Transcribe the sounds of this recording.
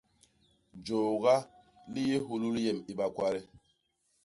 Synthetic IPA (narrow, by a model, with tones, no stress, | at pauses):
d͡ʒo˨ɡa˦ | li˦je˦ɦu˦lu˦lje˨mi˨ɓa˨kwa˦ɾi˦